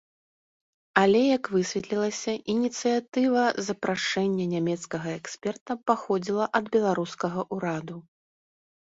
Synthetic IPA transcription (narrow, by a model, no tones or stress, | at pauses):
alʲɛjɐkvɨsʲvʲɛt̪lʲilˠɐsʲɐʔinʲit̪sɨjat̪ɨvɐzɐpɾaʂɛnʲːɐnʲamʲɛt̪skɐɣɐɛksʲpʲɛrt̪ɐpaxɔd͡zʲilˠɐʔɐd̪bʲɛlˠaɾuskɐɣɐʔuɾad̪u